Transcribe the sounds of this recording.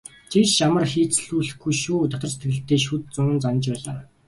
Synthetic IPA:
t͡ɕʰit͡ɕamə̆rxiːt͡sɮuːɮɘ̆xɡujʃuːt̪ɔt̪ɞ̆rse̥t̪ɡɘ̆ɬt̪eːʃ̬ut̪̚t͡sʊŋ̆nt͡sanə̆t͡ɕpæːɮaː

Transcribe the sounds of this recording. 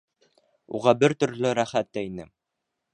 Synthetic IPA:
ṵʁɑbɘɾt̪ɵ̆ɾlɘɾæχæt̪ːæinɘ

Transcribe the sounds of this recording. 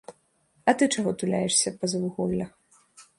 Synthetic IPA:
ɐt̪ɨt͡ʂaɣɔt̪ulʲa̰jɛʂsʲɐpɐzɐvuɣɔlʲːɐx

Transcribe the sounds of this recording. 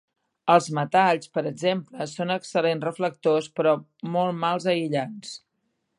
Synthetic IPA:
əlˠzmət̪aʎspəɾəɡzempləsonəksəlenrəflək̚t̪ospɾɔmɔlˠmalˠzəiʎans

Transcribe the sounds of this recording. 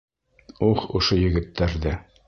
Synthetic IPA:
uχŏʃojɘ̆ɡɘ̆t̪ːæɾðæ

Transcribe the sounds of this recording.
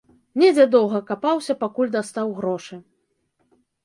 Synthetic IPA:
nʲɛd͡zʲɛd̪ɔwɣɐkapawsʲɐpakulʲd̪ast̪awɣɾɔʂɨ

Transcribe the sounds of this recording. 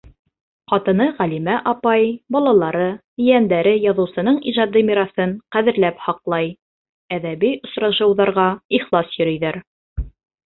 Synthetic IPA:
qɑt̪ɤ̆nɤʁælimæʔɑpɑjbɑlˠɑlˠɑɾɤ̆ | jænd̪æɾɘjɑðɤ̆wsɤ̆nɤɴiʒɑd̪ɤmʲiɾasɤɴqæðɘ̆ɾlæphɑqlˠɑj | æðæβijŏsɾɑʃɤ̆wðɑɾʁɑiχlˠɑsjɵ̆ɾɵ̆jðæɾ

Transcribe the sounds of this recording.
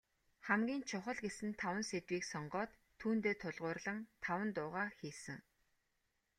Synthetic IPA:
χæmɡʲiːnt͡ɕʰʊχə̆ɮɡesɘ̆nt̪ʰawə̆nset̪wiːksɔɴɢɔːt̪ʰːuːnt̪eːt̪ʰʊɮʁʊːrɮə̆ŋt̪ʰawə̆nt̪ʊːʁaːxiːsɘ̆ŋ

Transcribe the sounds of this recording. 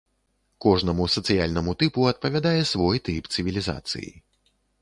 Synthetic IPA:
kɔʐnɐmusɐt̪sɨjalʲnɐmut̪ɨpuɐt̪̚pɐvʲad̪ajɛsvɔjt̪ɨpt̪sɨvʲilʲiza̰t̪sɨ̰jḭ

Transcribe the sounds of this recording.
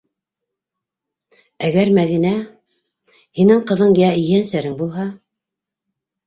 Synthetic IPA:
æɡæɾmæðinæ | hinɘɴqɤ̆ðɤɴjæɘ̆jænsæɾɘŋbulˠɦɑ

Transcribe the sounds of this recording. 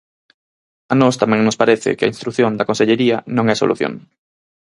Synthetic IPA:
anost̪amɛ̃ŋnospaɾeθɪ̰kɪɐ̰inst̪ɾuθjond̪ɐkonseʎeɾiɐnõŋɛso̰lṵθjo̰ŋ

